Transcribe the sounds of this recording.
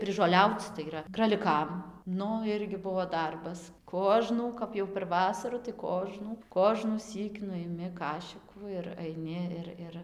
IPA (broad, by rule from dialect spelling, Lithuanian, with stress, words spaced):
pʲrʲɪʒoːˈlʲɛʊt͡s tɐɪ iːˈrɐ krɐlʲɪˈkɐm ˈnʊ ˈɪrʲɡʲɪ ˈbuɔ ˈdɐrbɐs ˈkoːʒnuː ˈkɐp jɛʊ pʲɛr ˈʋɑːsɐrʊ tɐɪ ˈkoːʒnuː koːʒnuːˈsʲiːk nʊ ɪˈmʲɪ ˈkɑːʃʲɪkuː ɪr ɐɪˈnʲɪ ɪr ˈɪr